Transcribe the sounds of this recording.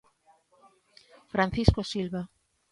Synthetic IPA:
fɾanθiskosilβa

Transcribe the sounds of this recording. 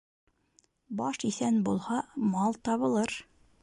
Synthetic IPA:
bɑʃiθænbulˠhɑmɑlˠt̪ɑβɤ̆lˠɤɾ

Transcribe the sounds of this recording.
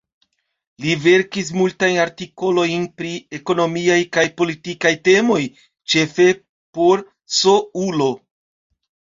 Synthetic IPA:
live̞ɾkis̬multajnaɾtiko̞lo̞jnpɾie̞ko̞no̞miajkajpo̞litikajte̞mo̞j | t͡ʃe̞fe̞ | po̞ɾ | so̞ulo̞

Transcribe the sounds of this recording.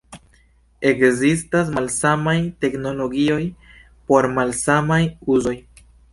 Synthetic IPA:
e̞kzistas̬malsamajte̞kno̞lo̞ɡio̞j | po̞ɾmalsamajuzo̞j

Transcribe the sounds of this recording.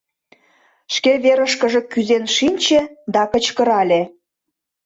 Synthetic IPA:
ʃkeβeɾəʃkə̆ʒĕkyzenʃinʲt͡ɕed̪ɑkə̆t͡ɕkə̆ɾɑlʲe

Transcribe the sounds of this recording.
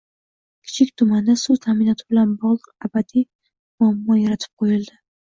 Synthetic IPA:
kʲʰɪ̥t͡ʃʰɪkʲt̪ʰʊmand̪asut̪ʰamɪnɒt̪ʰɪbɪlanbɒʁlˠɨq̚abad̪i | mʊamːɒjaɾat̪ʰɪ̥p̚qʰojɪld̪ɪ

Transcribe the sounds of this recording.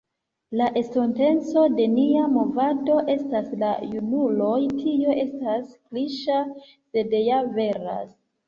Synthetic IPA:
laʔe̞stonte̞nt͡so̞de̞niamo̞vado̞ʔe̞staslajunulo̞jtʰioʔe̞staskliʃa | se̞dejave̞ɾa̰s

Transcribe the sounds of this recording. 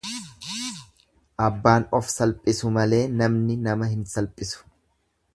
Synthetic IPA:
ʔɐbːaːnɔfsɐlpʼɪsʊmɐle̞ːnɐmnɪnɐmɐhɪnsɐlpʼːɪsʊ̥

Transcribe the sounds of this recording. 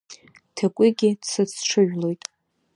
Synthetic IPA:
tʰakʷʼiɡʲɪdsɨt͡sʰʈ͡ʂʰɨʒᶣlo̞jtʼ

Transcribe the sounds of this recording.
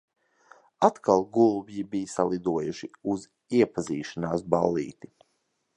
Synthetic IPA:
at̪kʰalˠɡulˠbjibijsalˠid̪uɔjuʃiuz | iɛpaziːʃanaːsba̰lˠːḭːt̪i

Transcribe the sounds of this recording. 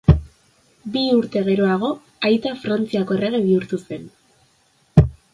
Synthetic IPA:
biuɾt̪e̞ɣ̞e̞ɾo̞aɣ̞o̞ | ajt̪afɾant͡siako̞ere̞ɣ̞eβiuɾt̪use̞n

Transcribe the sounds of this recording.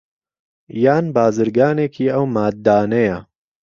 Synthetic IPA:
jaːnbaːzɨɾɡaːneːkʰiːʔɐwmaːd̪̚ːaːnɐjɐ

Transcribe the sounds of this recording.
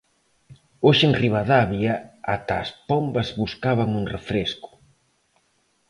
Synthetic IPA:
oʃenriβaðaβjaat̪aːspombɐzβuskaβaŋuŋrefɾeskʊ̥

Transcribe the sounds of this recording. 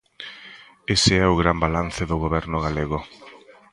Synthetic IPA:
eseɛʊɣɾambalan̟θeðʊɣoβɛɾnʊɣ̞aleɣ̞ʊ

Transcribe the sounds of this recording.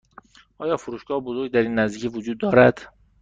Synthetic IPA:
ʔɒːjɒːfoɾuːʃɡ̥ɒːhbozoɾɡɟ̚d̪æɾiːnːæzd̪iːcʰivod͡ʒuːd̪ːɒːɾæd̪̥

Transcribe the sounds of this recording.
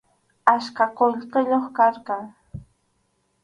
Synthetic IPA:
aʃkaqoʎqɪʎoχkaɾqɑŋ

